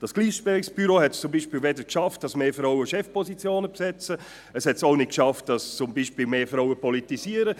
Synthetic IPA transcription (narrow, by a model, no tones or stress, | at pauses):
d̥ɑsɡ̥liːʃpɛʁɪksb̥yɾohɛtst͡sʊmbiːʃpiːlvɛdəkʃɑft̚d̥ɑsmeːfɾaʊəʃɛfpɔsit͡sjoːnəpsɛt͡sə | əshɛtsoʊnɪt̚kʃɑft̚d̥ɑst͡sʊmbiːʃpiːlmeːfɾaʊəpɔlitisiːəɾə